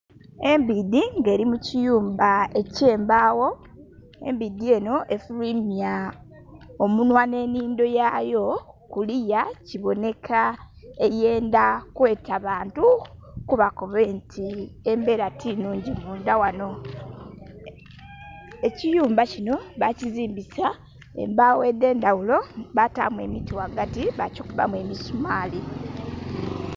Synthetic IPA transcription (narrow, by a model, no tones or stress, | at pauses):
e̞mbidiŋɡe̞ːɾimucijuːmbae̞ce̞ːmbawo̞ | e̞̰mbidie̞no̞ʔe̞fulimja | omunwane̞ːniːndo̞jajo̞kulijaciβo̞ne̞kʰa | eje̞ːndakwe̞ːtaβaːntukuβako̞βentʰie̞mbe̞ɾatʰinuːɲɟimuːndawano̞ | e̞cijuːmbacino̞βaciziːmbisa | ḛmbawe̞de̞ːndawulo̞βata̰mwe̞mitiwaɡatiβa̰cikuβa̰mwe̞misumaːli